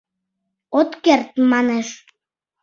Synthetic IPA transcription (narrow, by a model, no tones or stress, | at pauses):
ot̪kert̪mɑneʃ